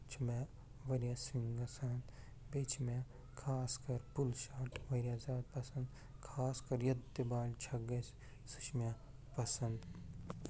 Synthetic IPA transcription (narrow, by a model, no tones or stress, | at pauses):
t͡ʃʰmẽ | ʋɐɾjasiŋɡɐsaːnd̪ | bet͡ʃʰma | kʰaːskɐɾpulʃaːʈʋɐɾaːzaːd̪̚pɐsɐ̃nd̪ | kʰaːskɐɾjɐd̪ːebaːlt͡ʃʰɐɡɐs | su̥t͡ʃʰma | pɐsɐnd̪